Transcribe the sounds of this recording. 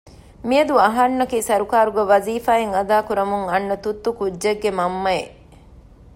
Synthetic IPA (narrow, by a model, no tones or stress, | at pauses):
miɐd̪uɐɦɐnːɐkiːsɐɾukaːɾuɡɐʋɐziːfaːeŋɐd̪aːkuɾɐmuŋɐnːɐt̪ut̪ːukuʒeɡːemɐmːɐje